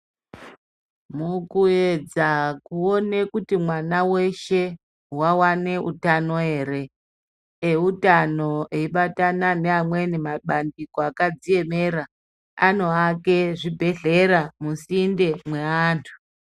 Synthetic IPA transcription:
mukued͡zakuo̞nekutimwanawe̞ʃe̞ | wawane̞ʔutano̞e̞ːɾe̞ː | utano̞ʔeiɓatananeamwe̞nimaɓandikoakad͡zie̞me̞ɾa | ano̞ake̞ʐibʱe̞ɮe̞ɾamusinde̞mwe̞aːntʰu̥

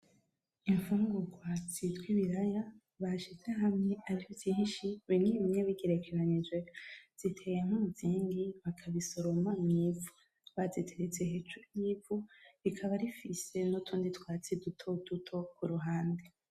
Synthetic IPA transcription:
iɱfuːŋɡuɡwat͡sitwiβiɾaja | βaʃizeɦamŋe̞aɾihovziɦiʃiβimɲiɲeβiɡeɾe̞kʰeɾaɲid͡ʒwez̥itʰejeŋ̥uuziːŋɡiβakʰaβiso̞ɾo̞mamŋiːvu | βazitʰeɾet͡seɦeːt͡ʃumivuβikʰaβaɾifise̞notʰuːnditwaːt͡sidutʰod̥utʰo̞kuɾuɦaːnde

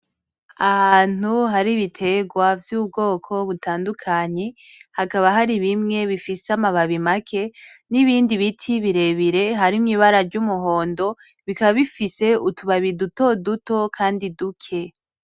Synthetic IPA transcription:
ahaːn̥uɦaɾiβitʰe̞ɡwavjuːb̚ɡo̞ːkʰo̞βutaːndukʰaɲe̞ | hakaβaɦaɾiβimŋe̞βifiseamaβaβimakʰe̞ | niβiːndiβitʰiβiɾe̞βiɾe̞ɦaɾimŋiːβaɾaɾɟumuɦo̞ːndo̞ | βikaβaβifise̞utuβaβiduto̞duto̞kʰaːndidukʰe̞

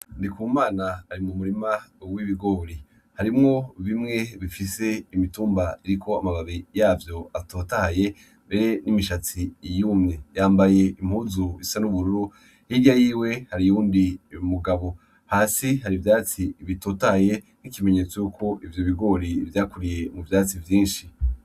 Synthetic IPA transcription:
ndikuːmaːnaːɾimumuɾimawiβiɡo̞ːɾi | haɾimŋo̞βimŋe̞βifise̞imituːmbaiɾiko̞amaβaβijaːvjo̞atoːtahaje̞ | mbe̞ɾe̞nimiʃat͡sijuːmɲejaːmbaje̞ʔim̥huzuisanuβuɾuɾu | hiɡɟajiːwe̞haɾijuːndimuɡaβo̞ | haːsiɦaɾivjaːt͡siβitoːtahje̞ | nikime̞ɲe̞t͡sejukʰo̞ʔivjoβiɡo̞ːɾivjaːkuɾije̞muvjaːt͡sivjiːnʃi

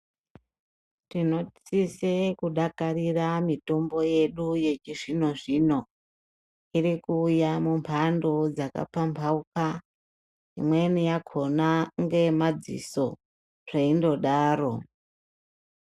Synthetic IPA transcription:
tino̞sisekuɗakariramito̞mbo̞je̞ɗuje̞t͡ʃiʐino̞ʐiːno̞ | irikuːjamumpʰandod͡zaka̰pampʰauka | ḭmwe̞nijakʰo̞naŋɡe̞mad͡zḭso̞ | ʐeindo̞ɗaːɾo̞

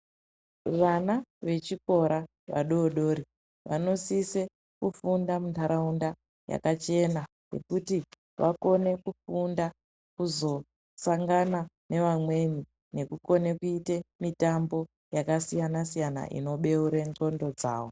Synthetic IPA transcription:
ʋanaʋe̞t͡ʃiko̞ɾa | ʋa̰ɗoɗo̞ːɾi | ʋano̞sise | kufundamuntaɾaunda | ja̰kat͡ʃe̞na | ne̞̰kuti | ʋʔako̞ne̞kufunda | kuzo̞ | saŋɡana | ne̞ʋamwe̞ni | ne̞kuko̞ne̞kuitemitambo̞ | jakasijanasijana̰ʔḭno̞ɓe̞uɾento̞ndo̞d͡za̰ːʋo

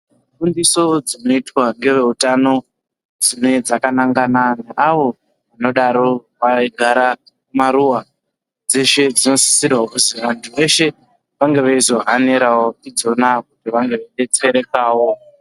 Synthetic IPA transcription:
fundiso̞d͡zino̞itwaŋɡe̞ʋe̞utano̞ | d͡zino̞ed͡zakanaŋɡananeʔaʋo̞ | ʋano̞ɗaɾo̞ | ʋaɡʱaɾa | kumaɾuwa | d͡ze̞ʃe̞d͡zino̞si̥sirwauziʋantʰuʋe̞ʃe̞ | ʋaŋɡe̞ʋaizo̞ɦaneɾawotid͡zo̞nak̚utiʋaŋɡe̞ʋeɗe̞t͡se̞ɾe̞kaːwo

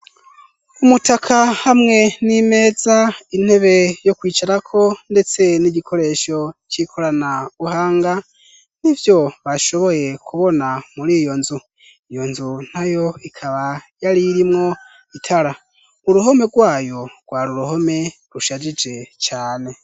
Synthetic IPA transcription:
umutakʰahamŋe̞nime̞ːzain̥he̞βe̞jo̞kwiːt͡ʃaɾakʰo̞nde̞t͡se̞niɟikʰo̞ɾe̞ʃo̞t͡ʃikʰoɾanauɦaːŋɡa | nivjo̞βaʃo̞βo̞je̞kʰuβo̞namuɾijo̞nzu | ijo̞nzun̥ajo̞ikʰaβajaɾiɾimŋo̞ | itʰaɾa | uɾuɦo̞me̞ɡwaːjo̞ɡ̥waːɾuɾuho̞me̞ | ɾuʃad͡ʒid͡ʒe̞t͡ʃaːne̞

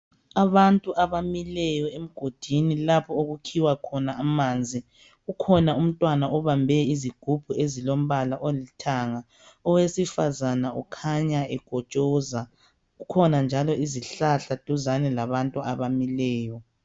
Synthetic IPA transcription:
aβantʼuʔaβamilɛjɔem̩ɡ̥ʱod̥ʱinilapʰɔoɣukʰiwakʰɔnaamaːnd͡zʱi | ɣukʰɔnaum̩tʼwanaɔβambʱɛiziɡ̥ʱub̥ʱuezilom̩βalaʔolitʰaŋa | ɔwesifazanaɔ̰kʰaɲaɛɡ̥ʱɔt͡ʃʼɔza | ukʰɔnand͡ʒʱalɔiziɬaɬatʼuzanɛlaβantʼuaβamilɛːjɔ

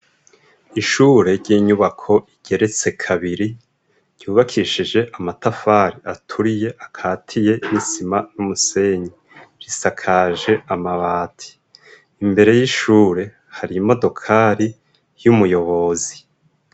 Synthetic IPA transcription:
iʃuːɾe̞ɾɟiːɲuβakʰo̞ʔiɟ̥e̞ɾe̞t͡se̞kʰaβiɾi | ɟ̥uːβakʰiːʃid͡ʒe̞ʔamatafaɾiʔatʰuɾije̞ʔakʰaːtʰije̞nisimanumuse̞ɲi | ɾisakʰaʒe̞amaβaːtʰi̥ː | mbe̞ɾe̞jiʃuːɾe̞ | haɾimo̞do̞kʰaɾi | jumujo̞βo̞zi

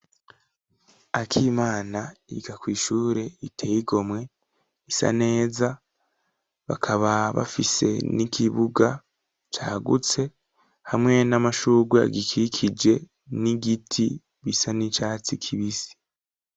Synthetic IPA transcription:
akʰiːmaːnaḭɡakwiːʃuːɾe̞itʰejiɡo̞mŋe̞ | isa̰ne̞ːza | βa̰kʰaβaβa̰fise̞̰nikʰiβuɡa | t͡ʃaːɡṵt͡se̞ | hamŋe̞namaʃuːɡwea̰ɡikʰikʰid͡ʒe̞ | niɡitʰi | βisanit͡ʃaːt͡sikʰiβisi̥

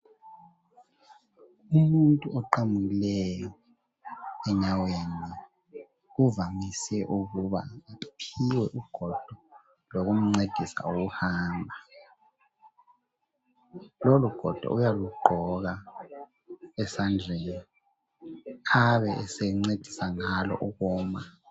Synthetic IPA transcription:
umuntʼuɔǃamuɣilɛjɔ | ɛɲaweni | uvamisɛʔuɣuβa̰apʰiwɛʔuɡ̥ʱɔd̥ʱɔ | loɣum̩ŋ͡ǀed̥ʱisa̰oɣuhaːmbʱa | loluɡ̥ʱɔ̰d̥ʱɔ̰ujaluɡ͡ǃʱɔɣa | ɛsand͡ɮʱeni | aβɛɛsɛŋ͡ǀed̥ʱi̥saŋalɔ̰ʔuɣɔːma

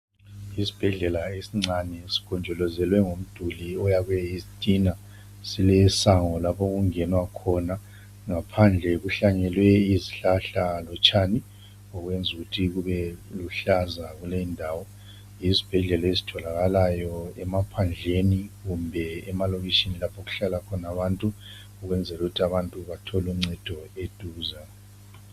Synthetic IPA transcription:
isi̥b̥ʱɛɮɛlaesiŋ͡ǀanɛsi̥kʰɔnd͡ʒʱɔlɔzɛlwɛŋom̩d̥ʱuliɔjaɣwɛizitʼina | silɛsaŋɔlapʰoɣuŋɛnwakʰɔna | ŋapʰand͡ɮʱɛɣuɬaŋɛlwɛiziɬaɬalɔt͡ʃʼaːni | ɔɣwɛnd͡zʱuɣutʰiɣuβɛluɬazaɣulendʱaːwɔ | izib̥ʱɛɮɛlaezitʰɔlaɣalajɔɛmapʰand͡ɮʱeniɣumbʱɛɛmaloβit͡ʃʼinilapʰoɣu̥ɬalakʰɔnaβantʼu | uɣwɛnd͡zʱɛluɣutʰiaβantʼuβatʰɔlum̩ŋ͡ǀɛd̥ʱɔed̥ʱuːza

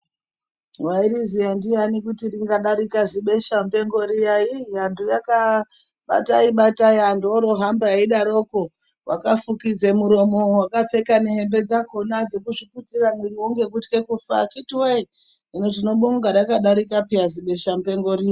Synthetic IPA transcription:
waiɾizijandijanikutiriŋɡaɗaɾikaziɓe̞ʃam̩pe̞ŋɡo̞ɾijaijandʱujaka | ɓa̰taiɓatajandoɾo̞ɦambaiɗaɾo̞ko | wʔa̰kafukid͡zemuɾo̞mo̞wakap͡fe̞kaneɦe̞mbe̞d͡zako̞nad͡ze̞kuʐikut͡siramiriwoŋɡe̞k̬utkekufa̰kitwei | inot̬ino̞ɓoŋɡaɾakaɗaɾikapijaziɓe̞ʃampe̞ŋɡoɾia

